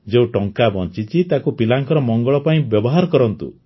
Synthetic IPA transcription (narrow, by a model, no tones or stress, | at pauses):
d͡ʒeũʈɔŋkabɔnt͡ʃit͡ʃit̪akupilaŋkɔɾɔmɔŋɡɔɭɔpaĩbjɔbɔɦaɾɔkɔɾɔnt̪ṵ